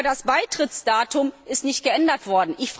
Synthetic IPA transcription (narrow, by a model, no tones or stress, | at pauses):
dasb̥aɪtʁ̥ɪt͡sd̥aːtʊmɪstnɪçt̚ɡ̥əʔɛndɐtv̥ɔɐdn̩ʔɪçf